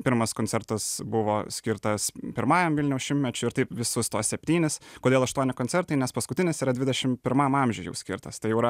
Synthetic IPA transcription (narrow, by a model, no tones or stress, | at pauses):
pʲɪɾmɐskoːnʲt͡s̪ʲɛɾt̪ɐsbʊʋoːsʲkʲɪɾt̪ɐspʲɪɾmɑːjɛmʋʲɪlʲnʲɛʊsʃʲɪmʲtʲmʲɛt͡ʃʲʊɪɾt̪ɐɪpʋʲɪsʊst̪oːsʲsʲɛpʲt̪ʲiːnʲɪskoːd̪ʲeːlˠɐʃt̪uɔnʲɪkoːnʲsʲɛɾt̪ɐɪnʲɛspɐskʊt̪ʲɪnʲɪsiːɾɐd̪ʲʋʲɪd̪ʲɛʃʲɪmpʲɪɾmɐmɑmʲʒʲʊjɛ̰ʊsʲkʲɪɾt̪ɐst̪ɐɪjɛʊɾɐ